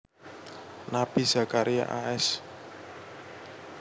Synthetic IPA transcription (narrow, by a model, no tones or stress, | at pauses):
napiza̤kaɾija̰ʔaʔɛs